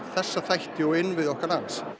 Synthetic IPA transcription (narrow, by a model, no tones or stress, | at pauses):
θɛsːaθajht̪ɪɔɣɪnːvɪðɔhkaɾlant̪s